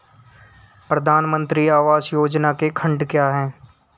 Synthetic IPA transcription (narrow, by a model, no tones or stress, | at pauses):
pɾəd̪ʱaːnmə̃nt̪ɾiaːʋaːzjoːd͡ʒnakekʰə̃ɳɖkjaːɦɛ̃ː